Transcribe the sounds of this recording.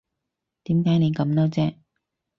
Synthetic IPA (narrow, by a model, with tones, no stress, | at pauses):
t̪iː˨˥mkaː˨˥jne˨˧jkɐ˨˥mnɔː˥t͡sɛː˥